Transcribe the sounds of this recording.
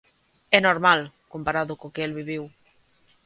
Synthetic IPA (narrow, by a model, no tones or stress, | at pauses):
ɛnoɾmalkompaɾaðʊkokɪelβiβiw